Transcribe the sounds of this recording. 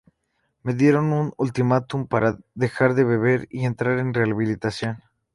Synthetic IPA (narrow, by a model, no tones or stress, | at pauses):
me̞ðje̞ɾo̞nunult̪imat̪umpaɾʔaðe̞xaɾðe̞βe̞β̞e̞ɾie̞nt̪ɾaɾe̞nreaβilit̪asjo̞n